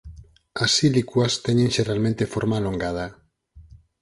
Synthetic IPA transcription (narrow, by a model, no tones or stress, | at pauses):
asilikwast̪eɲenʃeɾalmẽnt̪efoɾmaːloŋɡað̞a